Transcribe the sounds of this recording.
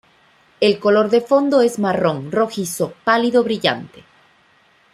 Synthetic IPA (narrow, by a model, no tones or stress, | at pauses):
e̞lko̞lo̞ɾðe̞fo̞nd̪o̞e̞zmaro̞ŋro̞xiso̞paliðoβɾiʝa̰nt̪e̥